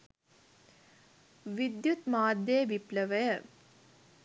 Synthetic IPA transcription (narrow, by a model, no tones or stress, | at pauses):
ʋid̪jut̪maːd̪ːjejʋipləʋəjə